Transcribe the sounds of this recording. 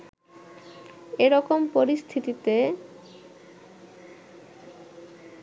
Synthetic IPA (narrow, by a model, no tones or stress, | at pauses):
eɾɔkompoɾist̪ʰit̪it̪e